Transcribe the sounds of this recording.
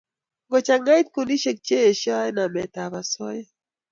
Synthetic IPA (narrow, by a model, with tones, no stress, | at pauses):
ŋɡɔ˨t͡ʃa˨ŋa˦i˦t̪̚ku˨ni˦ʃe˦˨k̚t͡ʃe˦e˨ʃa˦ɛ˦na˨mɛ˨ta˨βa˨sɔ˦jɛ˦